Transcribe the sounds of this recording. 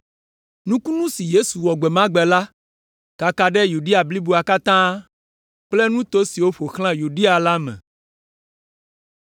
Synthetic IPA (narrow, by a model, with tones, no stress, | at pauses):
nũ˦ku˦nũ˦si˨je˦su˨wɔ˨ɡ͡bɛ˨mã˦ɡ͡bɛ˨la˦ | ka˨ka˨ɖɛ˦ju˨ɖi˦a˨bli˦bu˨˦a˨ka˦t̪ã˦ | k͡ple˦nũ˦t̪o˦si˨wo˦ɸo˨xl̃ã˦ju˨ɖi˦a˨la˦mɛ̰̃˨